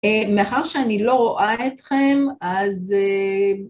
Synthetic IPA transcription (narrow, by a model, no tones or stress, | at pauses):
emeaχaʁʃeanilo̞ʁoʔaetχe̞maze